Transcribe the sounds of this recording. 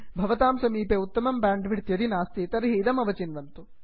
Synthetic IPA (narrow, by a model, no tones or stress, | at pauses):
bʱɐʋɐt̪aːmsɐmiːpeːut̪ːɐmɐmbaːɳɖʋiɽt̪jɐd̪inaːst̪it̪ɐɾɦiːd̪ɐmɐʋɐt͡ʃinʋɐnt̪u